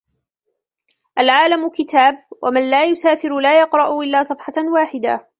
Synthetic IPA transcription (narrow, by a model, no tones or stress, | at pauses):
ʔalʕaːlamʊkɪt̪aːb̚wʔa̰manlaːjʊsaːfɪɾʊlaːjɑqɾˤɑʔʊʔɪlːaːsˤɑfħɑwaːħɪd̪a̰